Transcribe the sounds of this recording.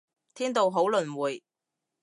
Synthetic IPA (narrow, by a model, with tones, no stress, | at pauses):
t̪ʰiː˥nt̪o˨wɦo˨˥wlɵ˨nwuː˨˩j